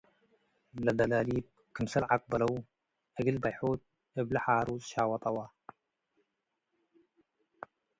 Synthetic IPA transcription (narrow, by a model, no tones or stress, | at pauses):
lɐd̪ɐlalib̚ | kʰɨmsɐlʕak̚ʼbɐlɐw | ʔɨɡɨlbajħot̪̚ | ɐblɐħaːɾuzʃaːwɐt̪ʼɐwa